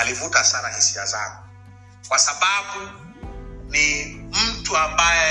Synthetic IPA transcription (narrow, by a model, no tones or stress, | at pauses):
alivutasanahisiazaŋɡu | kwasaɓaɓu | nim̩tuambajɛ